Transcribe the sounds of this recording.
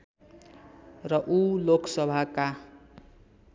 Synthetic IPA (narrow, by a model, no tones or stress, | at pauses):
rʌʔuloksʌbʱaka